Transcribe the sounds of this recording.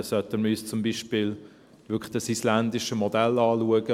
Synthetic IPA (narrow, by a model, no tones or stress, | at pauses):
sœt̪ənməyːst͡sʊmbiːʃpɪːl | ʋʏklə̥d̥ɑsislænd̪ɪʃəmɔd̪ɛlɑːluəɡ̥ə